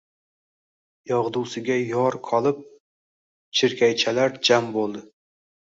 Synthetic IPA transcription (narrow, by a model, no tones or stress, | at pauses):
jɒʁd̪uwsɪɡʲajɒɾqʰɒlˠɪp̚ | t͡ʃʰɪɾkʲajt͡ʃʰalaɾd͡ʒambolˠd̪ɪ